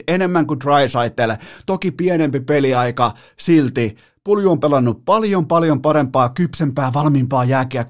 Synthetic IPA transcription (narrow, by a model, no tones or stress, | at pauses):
enemːæŋkut̪rɑisɑit̪ːˑelt̪okipienempipeliɑikɑ | silt̪i | puljuompelɑnːuppɑljompɑljompɑɾempɑːkypsempæːʋɑlmimpɑːjæːkeæ